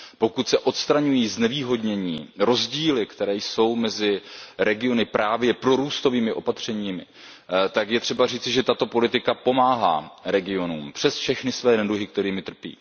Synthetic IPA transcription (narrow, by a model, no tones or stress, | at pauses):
po̞kut̪sɛʔo̞t̪st̪ɾaɲujiːznɛviːɦo̞dɲɛɲḭːɾo̞zɟiːlɪkt̪ɛɾɛːjso̞wmɛzɪɾɛɡɪo̞nɪpɾʔaːvjɛpɾo̞ɾuːst̪o̞viːmɪʔo̞pat̪r̝̥ɛɲiːmɪ | t̪akjɛt̪r̝̥ɛbariːtt͡sɪʒɛt̪at̪o̞po̞lɪt̪ɪkapo̞maːɦa̰ːɾɛɡɪo̞nuːmpr̥ɛsfʃɛxnɪsvɛːnɛdluɦɪk̚t̪ɛɾiːmɪt̪r̩pjḭː